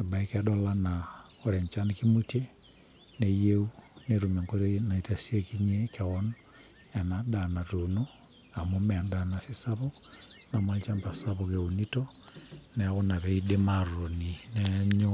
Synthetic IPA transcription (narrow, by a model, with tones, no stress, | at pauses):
a˨ba˨i˦kɛ˦ɗɔ˦la˦na˨ɔ˨ɾɛ˨ɲt͡ʃa˦nki˦mu˦te˦ | ne˨je˦u˦ne˨ɾu˨me˨ŋko˦ɾe˦na˨i˨ta˨si˦e˦ki˦ɲe˦kɛ˨ɔ˦n | ɛ˨na˨da˨na˨to˨no˦ | a˨mu˦mɛ˨a˨nda˨na˨sɪ˦sa˦βɔ˦ | na˨ma˦lt͡ʃa˦mpa˨sa˦βɔ˨ke˨u˨ni˦tɔ˦nɛ˨a˦ɣʊ˦na˨βɛ˨˦i˦de˦ma˦˨ro˨ni˨nɛ˦ɲo˦